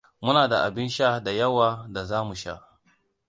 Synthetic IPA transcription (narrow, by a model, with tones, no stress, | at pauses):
mʊ˦naː˨da˨ʔa˨bɪ˦nʃa˦da˨jɐ˦waː˨da˨zaː˦mu˨ʃa̰˦